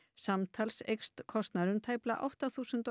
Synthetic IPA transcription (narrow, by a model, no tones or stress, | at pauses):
samt̪ʰalsḛjkst̪kʰɔst̪naɾʏmt̪ʰaːjpla̰ʔa̰wht̪aθuːsʏnt̪